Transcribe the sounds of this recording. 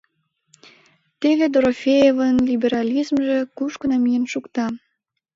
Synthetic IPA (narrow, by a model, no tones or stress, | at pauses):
t̪eβed̪oɾofʲejevənlʲibʲeɾɑlʲizmʒĕkuʃkənɑmijənʃukt̪ɑ